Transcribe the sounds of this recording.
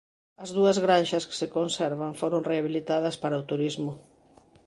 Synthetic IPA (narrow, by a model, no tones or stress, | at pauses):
ɐzðuɐzɣɾanʃɐske̥sekonsɛɾβaŋfoɾoŋreaβilit̪aðɐspaɾɐot̪uɾizmʊ